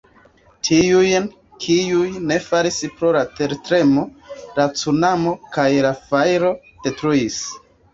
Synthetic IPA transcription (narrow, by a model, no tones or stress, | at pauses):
tʰiujn | kʰiujne̞faɾispɾolate̞ɾtɾe̞mo̞lat͡sunamo̞kajlafajɾo̞ | d̥e̞tɾuis